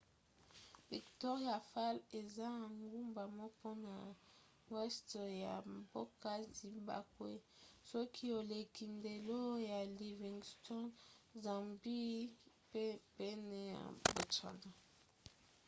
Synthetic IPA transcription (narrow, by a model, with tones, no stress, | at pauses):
vi˨ktɔ˦ʁi˦a˨fa˦le˨za˦a˨ŋɡu˦mba˨mɔ˦po˦na˨ | wɛ˦stja̰˨mbo˦ka˦zi˨ba̰˨kwe˦sɔ˦kʰi˦o˨le˨kʰi˨nde˨lo˦ja˨li˨vi˨ŋɡstɔ˦nza˨mbi˦ | pe˦pe˦ne˨ja̰˨bo˨t͡ʃa̰˨na˨